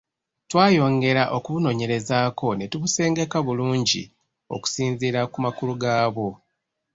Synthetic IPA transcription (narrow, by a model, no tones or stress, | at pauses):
twaːjo̞ːŋɡe̞ɾaʔo̞kuβuno̞ːɲe̞ɾe̞zaːkʰo̞ne̞tuβuse̞ːŋɡekaβuluːɲɟḭ | o̞̰ku̥siːnziɾakumakuluɡaːβo̞